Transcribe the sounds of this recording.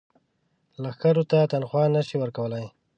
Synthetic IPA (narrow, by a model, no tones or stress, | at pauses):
laxkaɾot̪at̪anxwɑnaʃiwəɾkawəlaj